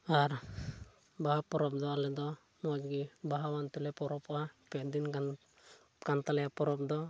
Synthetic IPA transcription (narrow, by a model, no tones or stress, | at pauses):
aɾ | baɦapɔɾɔp̚d̪ɔalɛd̪ɔ | mɔd͡ʒɡibaɦawant̪ulɛpɔɾɔpapɛd̪ina | kant̪alɛapɔɾɔp̚d̪ɔ